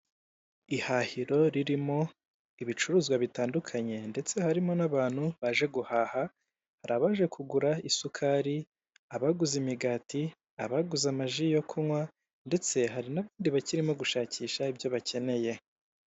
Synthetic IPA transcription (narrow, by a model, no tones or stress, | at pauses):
ihahiɾo̞ɾiɾimo̞ | iβit͡ʃuɾuːzɡwaβitaːndukʰaɲe̞nde̞t͡se̞haɾimo̞naβaːn̥huβaːʒe̞ɡuhaːha | haɾaβaːʒe̞kʰuɡuɾaisukʰaɾi | aβaɡuzimiɡaːti | a̰βaɡuzamaʒijo̞kʰunwa | nde̞t͡se̞ɦaɾinaβaːndiβaciɾimo̞ɡuʃaːcʰiːʃaibjo̞βace̞ne̞je̞